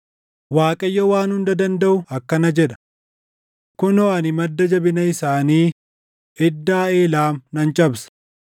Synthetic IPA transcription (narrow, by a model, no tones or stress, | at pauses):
waːkʼɐjːɔwaːnhʊnd̪ɐd̪ɐnd̪ɐʔʊɐkːɐnɐd͡ʒɛᶑɐ̥ | kʊnɔɐnɪmɐd̪ːɐd͡ʒɐbɪnɐɪsaːniː | ɛd̪ːaːeːlaːmnɐnt͡ʃʼɐbsɐ̥